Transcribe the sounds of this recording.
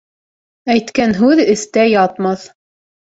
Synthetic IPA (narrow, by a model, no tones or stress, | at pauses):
æjt̪kænɦʉðɘ̆θt̪æjɑt̪mɑθ